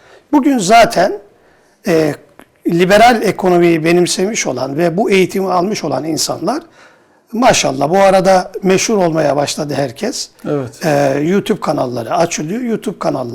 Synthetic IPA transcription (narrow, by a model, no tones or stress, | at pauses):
buɟynzaːt̪ʰɛn | ɛː | lʲibe̞ɾalʲekʰo̞no̞mijibe̞nimsejmiʃo̞̰lˠa̰nvɛbue̞jit̪ʰimialˠmɯʃo̞lˠa̰ninsa̰nlˠaɾ̥ | maʃa̰lˠːa̰buaɾad̪amɛʃhuɾo̞lˠmajabaʃlˠad̪ɯhæɾcʰɛsɛt̪ːjut̪ʰub̚kʰanalˠːaɾɯat͡ʃʰɯlˠɯjuːt̪ʰub̚kʰanalˠː